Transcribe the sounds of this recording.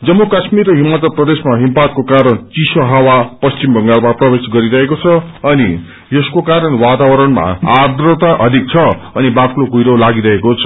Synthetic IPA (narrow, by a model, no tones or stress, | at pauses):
d͡zʌmːokʌsmiɾɦimat̪ʌprʌd̪esmaɦimpat̪̚kokaɾʌnt͡sisoɦawapʌst͡simbʱʌŋɡalmaprʌbesɡʌɾiɾʌɦekot͡sʰʌʌni | jʌskokaɾʌnwat̪awʌɾʌnma̰ad̪rʌt̪aʔʌd̪ʱik̚t͡sʰʌʌnibaklokujɾolaɡiɾʌɦekot͡sʰʌ̥